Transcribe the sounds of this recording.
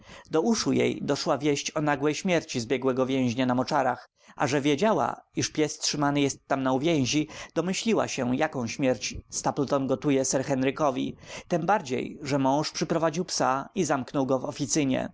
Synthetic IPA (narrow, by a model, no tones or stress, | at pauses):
d̪ɔuʂujḛjd̪ɔʂwavʲjɛɕt͡ɕɔnaɡwɛjɕmʲjɛɾt͡ɕizbʲjɛɡwɛɡɔvʲjɛ̃w̃ʑɲanamɔt͡ʂaɾax | ʔa̰ʐɛvʲjed͡ʑawa̰iʂpʲjɛstʂɘmanɘjɛst̪ːamnauvʲjɛ̃w̃ʑid̪̥ɔmɘɕlʲiwa̰ɕɛjakɔ̃w̃ɕmʲjɛɾt͡ɕst̪aplt̪ɔnɡɔt̪ujɛsɛɾxɛnɾɘkɔvʲḭt̪ɛmbaɾd͡ʑḛjʐɛmɔ̃w̃ʂpʂɘpɾɔvad͡ʑiwpsaizamknɔwɡɔvɔfʲit̪sɘɲɛ̰